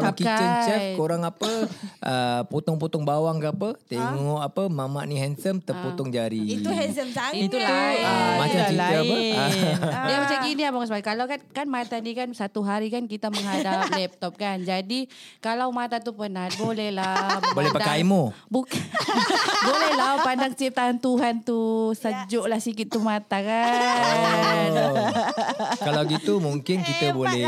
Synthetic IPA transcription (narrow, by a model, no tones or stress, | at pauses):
kiat͡ʃəɲt͡ʃəfkoɾaŋapəʔəput̪ɔŋput̪ɔŋbawaŋkəapət̪eŋɔʔapəmama̰ʔnĩɦɛnsəmt̪əput̪ɔŋd͡ʒaɾiiuhɛzəmait̪ulamat͡ʃamsid͡ʒaə | damasakiniapakas̬makalawkankanmat̪anikansat̪uɦaɾikankit̪aməŋadap̚lɛp̚t̪ɔp̚kand͡ʒadikalawmat̪at̪upənat̪̚bolɛhlabolɛpədkajmobuka | bolɛhlapandaŋt͡ʃip̚t̪aɦant̪uɦant̪usəd͡ʒoʔlahsikit̪ːumat̪aka | alawɡit̪umuŋkɪnkit̪əbolɛ